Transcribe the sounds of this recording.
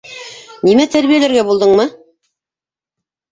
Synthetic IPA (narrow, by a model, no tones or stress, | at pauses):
nimæt̪ʰæɾβijælæɾɡæbulˠd̪ɤɴmɤ